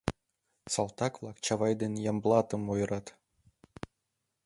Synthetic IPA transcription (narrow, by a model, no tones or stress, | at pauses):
sɑlˠt̪ɑkvlˠɑkt͡ɕɑvɑjd̪enjɑmblˠɑt̪ɤ̆mojɤ̆ɾɑt̪